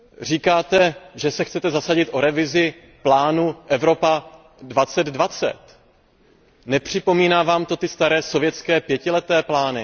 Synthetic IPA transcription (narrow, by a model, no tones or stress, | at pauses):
riːkaːt̪ɛʒɛsɛxt͡sɛt̪ɛzasaɟɪt̪ʔoɾɛvɪzɪ | plaːnuʔɛvɾo̞pa | dvat͡sɛd̪dvat͡sɛ̰t̪ | nɛpr̥ɪpo̞miːnaːvaːmt̪o̞t̪ɪst̪aɾɛːso̞vjɛt͡skɛːpjɛcɪlɛt̪ɛːplaːnɪ